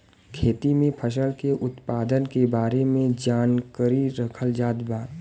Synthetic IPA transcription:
kʰeːt̪imẽpʰəʃ̬əlkeʔʊt̪paːd̪ənkebaːɾemẽd͡ʒaːnkəɾiɾɐkʰəld͡ʒaːd̪baː

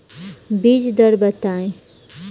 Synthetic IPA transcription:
bid͡ʒd̪əɾbət̪aĩ

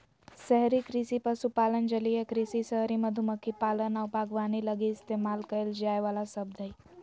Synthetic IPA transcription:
səɦɾiːkɾisiːpasupalənd͡ʑəlijekɾisiːsəɦɾiməd̪ʱuməkʰːipalənawpaɡʋañiləɡiːst̪emalkəeld͡ʑajʋalasəb̚d̪ʱəi

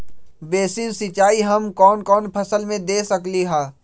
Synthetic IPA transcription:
beːsinsɪt͡ʃaːiɦɐmkɔːnkɔːnpʰɐsəlmẽd̪eːsɐkliɦɛː

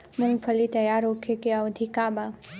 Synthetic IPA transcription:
mʊ̃ŋɡpʰəlit̪ɐjaːɾoːkʰekeaod̪ʱikaːba

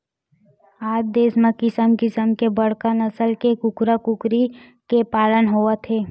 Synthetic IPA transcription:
aːd͡ʒd̪eːsmãkɪsəmkɪsəmkebɐɽ̤kanəsəlkekʊkɾakʊkɾi | kepaːlənɦoːat̪ʰeː

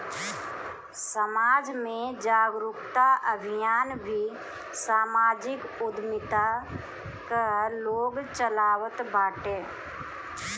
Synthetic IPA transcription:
səmaːd͡ʒmẽd͡ʒaːɡɾʊkt̪aʔəbʱɪjaːnbʱi | saːmaːd͡ʒɪkʊd̪mɪt̪a | kəloːɡt͡ʃəlaːwət̪baːʈeː

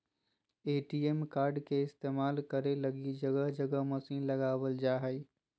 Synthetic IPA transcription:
eːʈiemkaːɾɖkeɪst̪eːmaːlkɐɾelɐɡid͡ʒɐɡəɦd͡ʒɐɡəɦmɐsĩːnlɐɡaːʋəld͡ʒaːɦəi

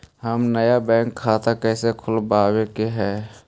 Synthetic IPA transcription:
həmnəjabɛ̃ːŋkʰːaːt̪akɛːsekʰʊlbaːwekeɦɛː

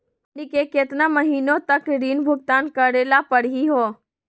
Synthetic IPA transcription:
nikeket̪naməɦiːnõt̪əkɾiːnbʱʊɡ̚t̪aːnkəɾeːlapəɽɦiɦoː

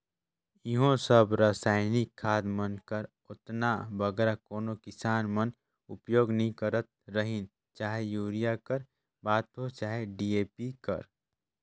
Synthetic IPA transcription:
ɪɦõsəbɾaːsaːɪnɪkʰːaːd̪mənkəɾ | ʊt̪nabəɡɛːɾakoːnokɪsaːnmən | ʊ̰pjoːɡnəɦĩkəɾət̪̚ɾəɦĩn | t͡ʃaːɦejuːɾijakəɾ | baːt̪ɦot͡ʃaːɦeɖieːpikə̰ɾ

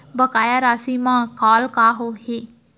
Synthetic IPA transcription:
bəkaːjaɾaːsimãkaːlkaɦohe

